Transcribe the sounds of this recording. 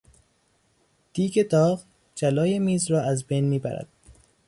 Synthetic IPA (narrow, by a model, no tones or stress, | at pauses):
d̪̥iːɡed̪ɒːɣ | d͡ʒælɒːjemiːzrɒːæzbejnmiːbæ̰ɾæ̰d̪̥̚